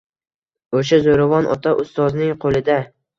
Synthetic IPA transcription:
oʃazoɾavɒnʔɒ̰t̪ʰaʔʊst̪ɒznɪŋqʰolɪd̪a

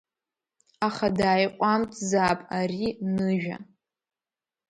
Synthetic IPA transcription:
aχadaːjqʷʼamtʼzaːpʼarinɨʒᶣa̰

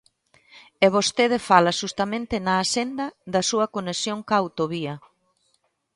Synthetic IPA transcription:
eβ̞ost̪eð̞efalɐʃust̪ɐmẽnt̪ɪnɐːsend̪ɐðɐsuɐkonesjoŋkawt̪oβiɐ

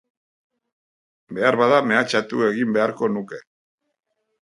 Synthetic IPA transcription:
be̞aɾβaðame̞at͡ʃat̪ue̞ɣimbe̞aɾko̞nuke̞

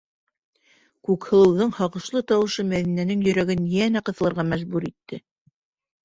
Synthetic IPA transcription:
kʉkhɤ̆lˠɤ̆wðɤɴhɑʁɤ̆ʃlˠɤt̪ɑwɤ̆ʃɤmæðinænɘŋjɵ̆ɾæɡɘnjænæqɤ̆θɤ̆lˠɤ̆ɾʁɑmæʒbʉɾit̪ːɘ

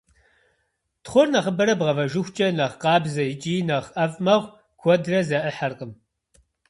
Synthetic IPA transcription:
tχʷɔrnɐχəbɐɾɐbʁɐvɐʒʊxʷt͡ʃʼɐnɐʁqɑːbzɐjɪt͡ʃʼiːnɐʁɐvʼmɐʁʷ | kʷʰɔdrɐzɐʔəħɐrqəm

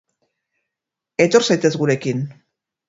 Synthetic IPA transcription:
e̞t̪o̞ɾsajt̪e̞zɣuɾe̞kin

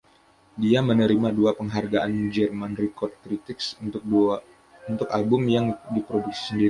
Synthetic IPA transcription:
diamənəɾimaduapəŋɦarɡaʔanmid͡ʒərmanrikɔrt̪̚kɾit̪ɪksu | unt̪ʊkalbʊmjaŋdipɾoduksi̥səndiɾi

